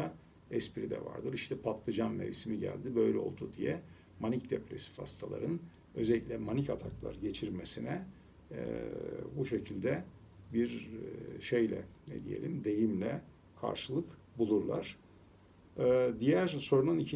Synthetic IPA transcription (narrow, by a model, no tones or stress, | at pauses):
a | ɛspiɾid̪ɛ̰va̰ɾd̪ɯɾiʃt̪ʰɛpʰat̪lˠɯd͡ʒammḛvisimiɟæ̰lʲd̪ibø̞jlʲɛo̞̰lˠd̪ud̪ijɛ | manicd̪epɾesi̥fha̰st̪ʰalˠa̰ɾɯn | ø̞zelʲːiclʲɛmanicat̪ʰaklˠa̰ɾɟe̞t͡ʃʰiɾmesinɛ̰ | buʃe̞cʰilʲd̪ɛ | biɾʃejlʲɛ̰nɛ̰d̪ije̞̰lʲimd̪e̞jimlʲɛ | kʰa̰ɾʃɯlˠɯk | bulˠuɾlˠaɾ̥ | d̪ijæɾso̞ɾunanicʰi